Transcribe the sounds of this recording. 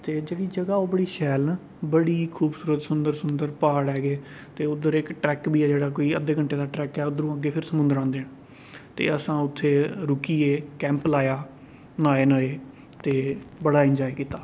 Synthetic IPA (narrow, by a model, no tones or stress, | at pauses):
t̪eːd͡ʒeːɽiːd͡ʒəɡaːoːbəɽiːʃɛːlnː | bəɽiːkʰuːbsuːɾət̪sʊnd̪əɾsʊnd̪əɾpaːɽɛːɡeː | t̪eːʊd̪əɾɪkʈɾɛːkbiːɛːd͡ʒeːɽaːkoːiːəd̪eːkəɳʈeːd̪aːʈɾɛːkɛːʊd̪əɾũːəɡeːpʰɪɾsəmʊ̃nd̪əɾãːd̪eːna | t̪ḛːəsãːʊt̪ʰːeːɾʊkiːeːkɛ̃ːmplaːjaː | naːenəːeː | t̪eːbəɽaːɪnd͡ʒaːeːkiːt̪aː